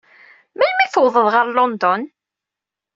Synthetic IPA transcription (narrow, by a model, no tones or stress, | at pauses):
mænmiθəwðˤəðˤʁəɾlɔnd̪ɔn